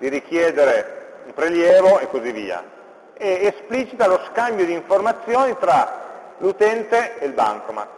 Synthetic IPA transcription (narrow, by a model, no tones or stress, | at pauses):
d̪̥iɾik̟jɛːd̪eɾeumpɾeljɛːvoekːozivːḭːa̰ | ɛːspliːt͡ʃit̪aloskambjod̪iːɱformat̪sːjoːnit̪ɾa | lut̪ɛnt̪eelba̰ŋkoma̰